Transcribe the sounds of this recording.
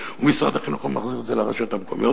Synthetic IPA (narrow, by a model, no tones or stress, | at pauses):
umisʁa̰d̪haχinuχamaχziʁetdzelaʁaʃot̪amko̞mḭjo